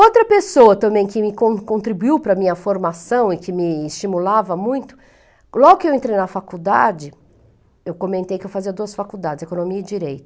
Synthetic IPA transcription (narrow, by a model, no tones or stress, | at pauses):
owt̪ɾɐpesoɐt̪ɐ̃mbẽj̃kɪmɪkõkõnt̪ɾibuiwpɾɐmĩɲɐfoɾmasɐ̃w̃ɪkɪmɪːst͡ʃimulavɐmũj̃t̪ʊ̥ | lɔɡʊkɪewẽnt̪ɾejnɐfakud̪a̰d͡ʒɪ | ewkõmẽnt̪ejkɪewfaziɐd̪uɐsfakud̪ad͡ʒɪzekonõmiɐɪd͡ʒiɾejt̪ɐ̥